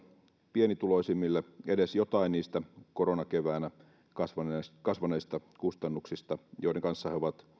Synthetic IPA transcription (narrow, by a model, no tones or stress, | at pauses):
pienit̪uloisimːilːeedesjot̪ɑinniːst̪ækoɾonɑkeʋæːnæ | kɑsʋɑneskɑsʋɑneist̪ɑkust̪ɑnːuksist̪ɑjoˑideŋkɑnsːɑheoʋɑt̪